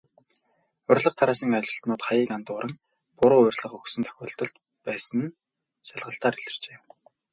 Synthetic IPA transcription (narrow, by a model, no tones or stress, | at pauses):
ʊrʲɮə̆q̚t̪ʰaɾaːsiːŋat͡ɕɪ̆ɬt̪nʊːt̪χajiːkant̪ʊːɾʔə̆ŋ | pʊɾʊːʊrʲɮə̆χɵxsɵ̆nt̪ʰœ̥xʲʊːɬt̪ɞ̆ɮt̪ | pæːsə̆n | ʃaɮʁə̆ɬt̪aːɾiɮɘ̆r̥t͡ɕeː